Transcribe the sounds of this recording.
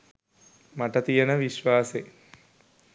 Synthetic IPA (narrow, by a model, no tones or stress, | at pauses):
maʈət̪ijənəʋiʃʋaːse